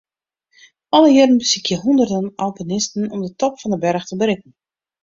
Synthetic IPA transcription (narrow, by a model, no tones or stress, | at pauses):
ɔləjɪdən̩bəsikʰjəɦundərdənalˠpənɪstn̩ɔmdətɔpfɔndəbɛrxtəbəɾɪkn̩